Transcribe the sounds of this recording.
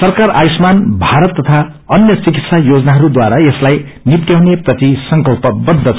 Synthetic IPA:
sʌrkaɾajismanbʱaɾʌt̪ːʌt̪ʰa | ʌnjʌt͡sikit̪sajod͡zʌnaɦʌɾud̪waɾaeslaj | nit̪ːjawneprʌt̪isʌŋkʌlpʌbʌd̪ʱːʌ

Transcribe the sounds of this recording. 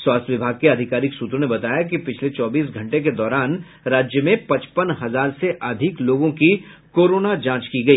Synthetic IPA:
swaːst̪ʰʋɪbʱaːɡ̚keɐd̪ʱɪkaːɾɪksuːt̪ɾonebɐt̪aːjakipɪt͡ʃʰlet͡ʃɔːbiːs̬ɡʱɐ̃ɳʈek̬ed̪ɔːɾaːn | ɾaːd͡ʒjəmẽpɐ̃t͡ʃpənɦɐzaːɾseʔɐd̪ʱɪkloːɡõkikoːɾoːnad͡ʒãːt͡ʃkiɡɐiː

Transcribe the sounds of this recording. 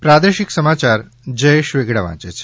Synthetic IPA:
pɾad̪eʃiksəmat͡ʃaɾ | d͡ʒəjeʃʋeɡɽaʋã̰t͡ʃet͡ʃʰe̥

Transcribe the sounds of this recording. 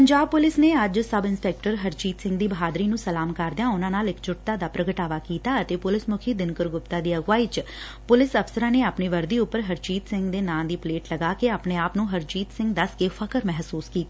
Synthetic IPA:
pəɲd͡ʒaːb̚pʊlɪsneːəd͡ʒsəbɪnspɛːk̚ʈəɾɦəɾt͡ʃiːt̪sɪ̃ŋɡd̪iːbɦaːd̪ɾiːnũːsəlaːmkəɾd̪ɪjãːʊnãːnaːlɪkt͡ʃʰʊʈt̪aːd̪aːpɾəɡəʈaːʋaːkiːt̪aːət̪eːpʊlɪsmʊkʰiːd̪ɪnkəɾɡʊpt̪aːd̪iːəɡʋaːiːt͡ʃ | pʊlɪsəfsəɾãːneːaːpniːʋəɾd̪iːʊpːəɾɦəɾt͡ʃiːt̪sɪ̃ŋɡd̪eːnãːd̪iːpleːʈləɡaːkeːaːpneːaːpnũːɦəɾt͡ʃiːt̪sɪ̃ŋɡd̪əskeːfʰəkəɾmɛɦsuːskiːt̪aː

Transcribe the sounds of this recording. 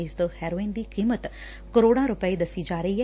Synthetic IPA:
ɪsd̪əhɛːɾoːĩnd̪iːkiːmət̪ | kəɾoːɽãɾʊpəid̪ɐsːid͡ʒaːɾəiːɦɛ

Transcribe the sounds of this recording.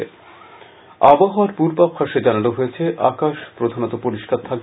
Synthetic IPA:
ḛ | aboɦaaɾpuɾbapʰaʃed͡ʑananoɦojet͡ɕʰeʔakaʃpɾod̪ʱanot̪opoɾiʃkaɾt̪ʰak̚

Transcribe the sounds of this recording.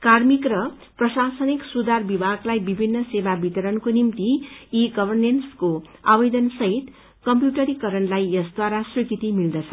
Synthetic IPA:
karmikrʌ | prʌsasʌniksud̪ʱarbibʱaɡlajbibʱinːʌsebabit̪ʌɾʌnkonimt̪iiɡʌbʱʌrnenskoabed̪ʌnsʌɦit̪ | kʌmpjuʈʌɾikʌɾʌnlajjʌsd̪waɾasrikit̪imild̪ʌt͡sʰʌ̥

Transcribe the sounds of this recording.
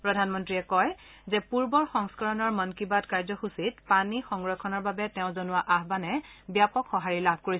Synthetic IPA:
pɹɔdʱanmɔntɹiɛkɔj | zɛpuɹbɔɹxɔŋskɔɹɔnɔɹmɔnkibadkaɹzɔxusitpanixɔŋɡɹɔkʰɔnɔɹbabɛtɛʊ̃zonʊwaʔaɦbanɛbjapɔkxɔɦaɹilab̚ʱkoɹi

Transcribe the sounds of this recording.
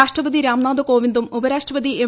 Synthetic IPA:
aːʂʈrɐʋɐd̪iɾaːmnaːd̪ɐko̞ːʋind̪umubɐɾaːʂʈrɐʋɐd̪ie

